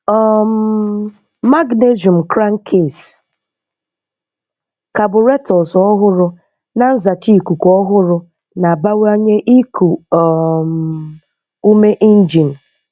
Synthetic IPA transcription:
ɔ˦˨m̩˦ | ma˦ɡne˦zu˨m̩˨kɾa˦ŋ̩˦kʰe˨s | ka˨bʊ˨ɾe˦tɔ˨sɔ˦ɦʊ˦ɾʊ˨ | na˨n̩˦za˨t͡ʃi˦˨ku˨kɔ˦ɦʊ˦ɾʊ˨ | na˨ba˦wa˦ɲe˦ʔi˦kʰu˨ɔ˨m˨ | u˦me˦ʔi˦n̩˦d͡ʒi˨n̩˨

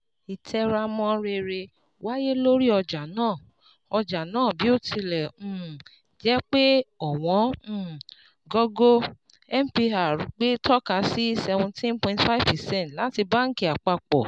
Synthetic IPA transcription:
i˨tʰɛ˧ɾa˧mɔ̃˧ɾe˧ɾe˧ | wa˦je˦lo˦ɾi˦ɔ˧d͡ʒa˨nãː˦˨ | ɔ˧d͡ʒa˨nãː˦˨bi˨˦o˦tʰi˧lɛ̃˨˦˨ | d͡ʒɛ˨˦k͡pe˦ɔ˨w̃ɔ̃˨˦˨ | ɡɔ˦ɡo˦ | ɛ˦m̩˨pi˧a˨ɾu˨ɡ͡be˦tʰɔ˦ka˧si˦sɛ˧wũ˧tɛ̃˦npɔ̃˧ĩ˨tfa˦i˦˨vpɛ˨sɛ̃˦n˨tla˦ti˧ba˦ŋ̩˦ki˨a˨k͡pa˧k͡pɔ˨

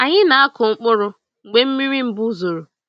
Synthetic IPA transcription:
a˨ɲɪ˦na˨a˦kʊ˨ŋ͡m̩˦k͡pʊ˦ɾʊ˦ | ŋ̩˨ɡ͡be˦m̩˦mi˦ɾi˦m̩˦bu˦zo˨ɾu˨

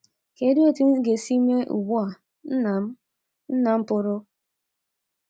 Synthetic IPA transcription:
ke˨˦di˦o˦ti˦n̩˦ɡe˨si˦me˦ʔṵ˨ɡ͡bu˦a˨˦˨ | n̩˦na˨m̩˦pʊ˦ɾʊ˦

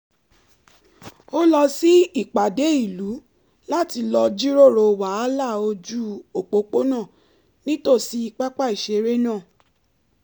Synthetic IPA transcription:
o˦lɔ˧si˦i˦˨k͡pa˨de˨˦i˦˨lu˨˦ | la˦ti˧lɔ˧d͡ʒi˦ɾo˦˨ɾo˧˨wa˨˦la˦˨o˧d͡ʒu˦o˨k͡po˨˧k͡po˦nã˦˨ | nĩ˦to˦˨si˧i˧k͡pa˦k͡pa˦˨i˨ʃe˧˨˦ɾe˦nãː˦˨

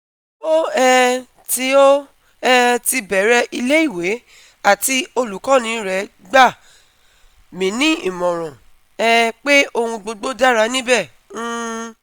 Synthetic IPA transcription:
o˦ɛ˧ | ti˧˦o˦ | ɛ˧ti˧bɛ˨ɾɛ˧˦ʔi˧le˦i˦˨we˨˦ | a˦˨ti˧o˧lu˨kã˨˦nĩ˨˦ɾɛ˨˦ | ɡ͡ba˦˨ | mĩ˨˦nĩ˦i˦˨mɔ̃˨ɾ̃ɔ̃˨ | ɛ˧k͡pe˦o˧hũ˧ɡ͡bo˧ɡ͡bo˦da˦ɾa˧nĩ˦bɛ˦˨ | ũ˦

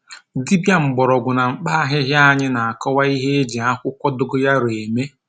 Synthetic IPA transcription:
di˦bja˦ŋ͡m̩˨ɡ͡bɔ˨ɾɔ˨ɡʷʊ˨na˨ŋ͡m̩˨˦k͡pa˦a˦ɦɪ˦ɦja˦a˦ɲɪ˦na˨a˨kɔ˦wa˦i˦ɦe˦e˦d͡ʒi˨a˦kʷʊ˦kʷɔ˦dʊ˦ɡʊ˦ja˦ɾe˨me˦

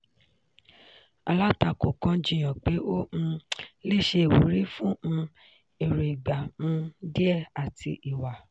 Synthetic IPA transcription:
a̰˧la˦ta˦˨ko˨kã˧d͡ʒĩ˦˨j̃ã˨k͡pe˨˦õ˦˧le˦˨ʃe˧˨wu˨˦ɾi˦fũ˦ũ˧ | e˨ɾe˨i˨ɡ͡bã˨˦di˦ɛ˦˨a˨tʰḭ˧ʔi˨wa˨

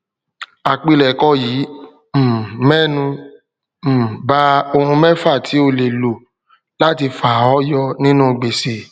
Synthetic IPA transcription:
a˨k͡pi˧lɛ˨kɔ˧˦jiː˨˦ | m̩˨mɛ˦nũ˧˨ | ba˦o˧hũ˧mɛ˦fa˦˨tʰi˨˦o˧le˨lo˨ | la˦ti˧fa˨ɔ˦jɔ˧nĩ˦nũ˦˧ɡ͡be˨se˨

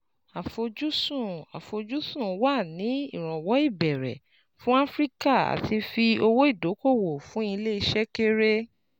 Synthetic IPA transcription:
a˨fo˧d͡ʒu˦sũ˦˨a̰˨fo˧d͡ʒu˦sũ˦˨wa˦˨nĩ˨˦i˦˨ɾ̃ɔ̃˨wɔ˨˦i˦˨bɛ˨ɾɛ̰˨ | fũ˦a˦fɾi˦ka˦˨a̰˨tʰi˧fi˧o˧wo˦i˦˨do˨˦ko˦˨wo˨fũ˨˦i˧le˦i˧ʃɛ˦ke˦ɾe˦

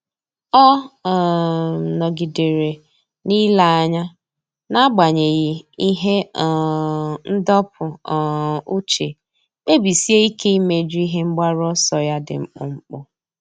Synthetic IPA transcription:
ɔ˦˨ | nɔ˨ɡi˨de˨ɾe˨ | ni˦la˨a˦ɲa˦ | na˦ɡ͡ba˨ɲe˨ɣɪ˨i˦ɦe˦˨ | n̩˦dɔ˦pʰʊ˨ | u˦t͡ʃe˨ | k͡pe˦bi˨si˦e˦i˦kʰe˦i˦me˦d͡ʒi˦ɦe˦ŋ͡m̩˦ɡ͡ba˦ɾɔ˦sɔ˨ja˦dɪ̰˨ŋ͡m̩˦k͡pʊ̰˨ŋ͡m̩˦k͡pʊ˦

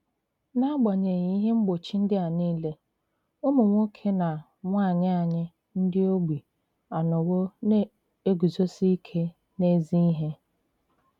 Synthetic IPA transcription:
na˦a˦ɡ͡ba˨ɲe˨ɲi˨˦i˦ɦe˦ŋ͡m̩˦ɡ͡bo˨t͡ʃi˦n̩˦dɪ˦a˨niː˦le˦ | o˦mʊ˨ŋʷo˦kʰe˦na˨ | ŋʷa˦˨ɲɪ˦a˨ɲɪ˦ | n̩˦dɪ˦o˦ɡ͡bi˨ | a˨nʊ˨wo˦ne˦ | e˦ɡu˨zo˦si˦kʰe˦ | ne˦zi˦i˦ɦe˦

